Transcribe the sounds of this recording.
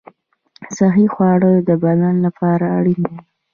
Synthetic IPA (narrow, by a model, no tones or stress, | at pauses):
saɦixwɑɽəjod̪əbalanlapɑɾaːɽina